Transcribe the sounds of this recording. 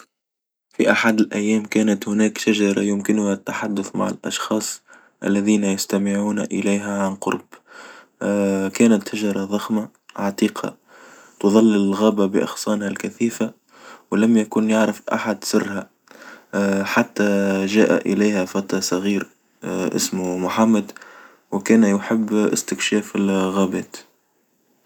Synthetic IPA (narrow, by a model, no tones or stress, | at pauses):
fiʔaħad̪ɪlʔæjːæːmkæːnæt̪hʊnæːkʃaʒɑɾˤɑjʊmkɪnʊhat̪ːaħad̪ːʊθma̰ʕɪ̰lʔɑ̰ʃxɑːsˤ | ʔa̰lːæðiːnajast̪amɪʕuːnʔɪlaːɦæʕanqʊ̰ɾˤb̥ | kæːnat̪ʃaʒɑɾˤɑðˤɑxma | ʕɑt̪iːqʰɑ̰ | t̪ʊðˤɑlːɪlɣæːbabɪʔɑ̰xsˤɑːnhalkæθiːfa | wɪlamjakuːnjaʕɾɪfʔa̰ħad̪sɪrːha | ħat̪ːaʒæːʔa̰ʔɪlajhæfɑt̪ɾˤɑsˤɑɣiːɾ | ʔɪ̰smmʊħamːad̪ | wɪkæːnjʊħɪbːʔɪ̰st̪ɪkʃæːfɪlɣaːbæːt̪